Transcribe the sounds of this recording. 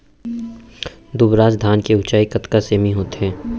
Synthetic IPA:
d̪ʊbɾaːzd̪ʱaːnkeʊt͡ʃaːikɐt̪kaseːmiɦoːt̪ɦɛ̃ː

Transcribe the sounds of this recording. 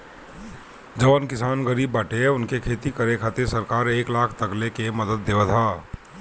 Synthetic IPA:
d͡ʒɐʋənkɪsaːnɡəɾiːbːɐʈeʊnkekʰeːt̪ikɐɾekʰat̪esɐɾkaːɾeːklaːkʰt̪ɐklekemɐd̪əd̪ːeːʋət̪ʰaː

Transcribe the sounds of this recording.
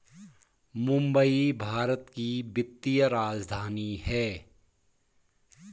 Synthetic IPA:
mʊ̃mbəibʱaːɾət̪kibɪt̪ːijəɾaːd͡ʒd̪ʱaːniɦɛː

